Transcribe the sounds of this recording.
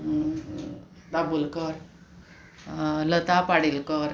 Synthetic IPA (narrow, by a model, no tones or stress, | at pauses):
d̪abulkəɾ | lət̪apaɽilkəɾ